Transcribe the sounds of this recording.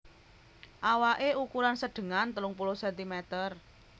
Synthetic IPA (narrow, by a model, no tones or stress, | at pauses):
ʔawaʔeukuɾansəɖ̥ə̤ŋant̪əlʊŋpulosɛnt̪imɛt̪ər